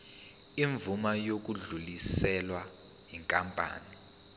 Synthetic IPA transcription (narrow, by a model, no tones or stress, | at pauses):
iɱvumajok̬uɮulisɛlwa | ɦiŋkʼampʼa̰ːni